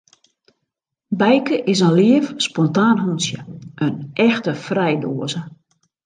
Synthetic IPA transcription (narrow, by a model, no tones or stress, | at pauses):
bɛjkəʔɪsənliəfspɔntaːnɦunsjə̰ʔənʔɛxtəfrɛjdoːəzə